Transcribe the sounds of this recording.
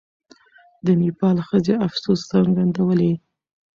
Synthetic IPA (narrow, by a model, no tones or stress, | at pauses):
d̪ənipɑlxəzeafsost͡saŋɡand̪awəle